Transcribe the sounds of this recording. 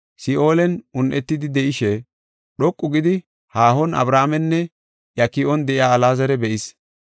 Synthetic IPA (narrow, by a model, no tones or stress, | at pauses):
sɪʔo̞ːlɛnʊnʔɛt̪ːɪd̪ɪd̪ɛʔɪʃɛ | ɗɔkʼːʊɡɪd̪ɪ | haːhɔnɐ̰bɾaːmɛnːɛ | jɐkɪɔnd̪ɛʔɪjaːɐlaːzɐɾɛbɛʔɪs